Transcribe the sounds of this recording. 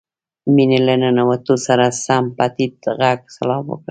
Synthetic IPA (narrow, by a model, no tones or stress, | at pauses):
minelananawat̪osaɾasampat̪it̪ɣaɡsalɑbwə̰kɽ